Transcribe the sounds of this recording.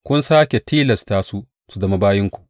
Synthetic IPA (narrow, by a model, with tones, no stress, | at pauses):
kʷʊ˦nsaː˦kʲe˨tʰiː˦lɐ˨staː˦su˦ | su˨zɐ˦˨ma˦baː˦jɪ˦ŋkʷu̥˨ʔ